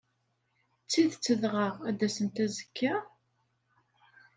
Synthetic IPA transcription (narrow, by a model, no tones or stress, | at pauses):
t͡sːiðt͡sːəðʁəʁæd̪æsənt̪æzəkʰːa